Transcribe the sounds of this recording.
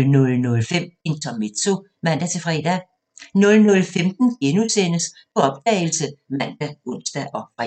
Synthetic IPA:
lnɔ̽lnɔ̽lfem̰e̝nt͡sʰɒmed̥so̝ | mæn̰d̥æt͡sʰe̝fʁɛ̰d̥æ | nɔ̽lnɔ̽lfemd̥n̩ɡ̥enusen̰əspʰɒ̽ɒ̽b̥̚d̥ɛ̰ːɪl̩səmæn̰d̥æɔ̽n̰sd̥æʔɒ̽fʁɛ̰

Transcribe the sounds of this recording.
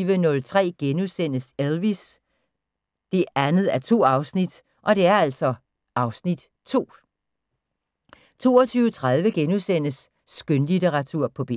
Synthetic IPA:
ʋənɔ̽lt͡sʰʁɛ̰ːɡ̥enusen̰əselʋis | d̥e̝ænð̞̩ˠæɐt͡sʰo̝̰ːɑ̈ʊsnid̥ | ʔɒ̽d̥e̝æɐæl̰sɒ̽ | ʔɑ̈ʊsnid̥ | t͡sʰo̝̰ː | t͡sʰo̝̰ːɒt͡sʰyːʊət͡sʰʁaðˠʋəɡ̥enusen̰əsː | ɡ̥ønlideʁɑ̈t͡sʰuɐ̰pʰɒ̽b̥e

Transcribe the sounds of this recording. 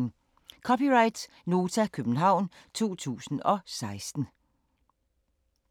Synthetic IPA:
kʰɒ̽piʁɑ̈ɪd̥s | no̝ːt͡sʰækʰøb̥n̩ɦɑ̈ʊ̰n | t͡sʰo̝̰ːt͡sʰṵːsn̩ɒ̽sɑ̈ɪsd̥n̩

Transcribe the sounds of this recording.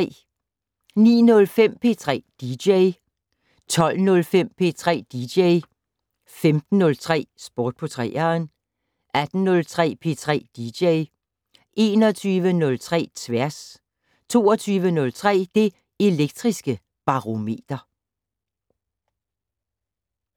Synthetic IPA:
nḭːnɔ̽lfem̰pʰe̝̰t͡sʰʁɛ̰ːd̥i̥eɪ | t͡sʰɒ̽l̰nɔ̽lfem̰pʰe̝̰ːt͡sʰʁɛ̰ːd̥i̥eɪ | femd̥n̩ːɔ̽lt͡sʰʁɛ̰ːsb̥ɒːd̥̚pʰɔt͡sʰʁɛ̰ːɐn | ʔæd̥n̩nɔ̽lt͡sʰʁɛ̰ːpʰe̝̰t͡sʰʁɛ̰ːd̥ideɪ | ʔe̝ːnɒt͡sʰyːʋənɔ̽lt͡sʰʁɛ̰ːt͡sʰʋæɐ̰s | t͡sʰo̝̰ːɐt͡sʰyːʋənɔ̽lt͡sʰʁɛ̰ːd̥e̝ | e̝leɡ̥̚d̥ʁisɡ̥ə | b̥ɑ̈ʁo̝me̝̰ːd̥ɐ

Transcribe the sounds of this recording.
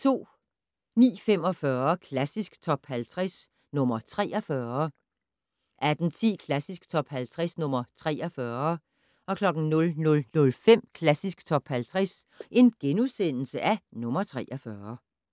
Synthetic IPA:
t͡sʰo̝̰ː | nḭːfem̰ɒ̽fɶɐkʰlæsisɡ̥t͡sʰɒ̽b̥hælt͡sʰʁɛs | nɔ̽mɐt͡sʰʁɛːɒfɶɐɐ | ʔæd̥n̩t͡sʰḭːkʰlæsisɡ̥t͡sʰɒ̽b̥hælt͡sʰʁɛsnɔ̽m̰ɐt͡sʰʁɛːɒfɶɐ | ʔɒ̽kʰlɒ̽ɡ̥n̩nɔ̽lnɔ̽lnɔ̽lfem̰kʰlæsisɡ̥t͡sʰɒ̽b̥hælt͡sʰʁɛs | ʔe̝nɡ̥enusen̰l̩səʔænɔ̽mɐt͡sʰʁɛ̰ːʔɐfɶːɐ

